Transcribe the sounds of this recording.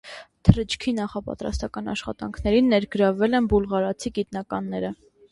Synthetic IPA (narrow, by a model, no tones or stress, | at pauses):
t̪ʰəɾət͡ʃʰkʰinɑχɑpɑ̰t̪ɾɑ̰st̪ɑkɑnɑ̰ʃχɑ̰t̪ɑ̰ŋkʰnɛɾinːɛɾɡəɾɑvɛlɛnbulʁɑɾɑt͡sʰiɡit̪nɑkɑnːɛɾə